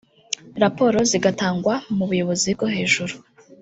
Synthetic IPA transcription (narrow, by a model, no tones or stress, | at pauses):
ɾapo̞ɾo̞ziɡataːŋɡwamuβujo̞βo̞zib̚ɡo̞ɦe̞ːʒuɾu